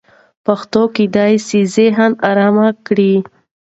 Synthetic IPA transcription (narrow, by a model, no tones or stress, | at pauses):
paxt̪okid̪ɑjsizeɦənaɾɑmakɽi